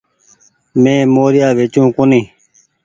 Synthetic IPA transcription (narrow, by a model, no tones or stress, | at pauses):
mẽːmoːɾɪjaːʋeːt͡ʃũːkunĩː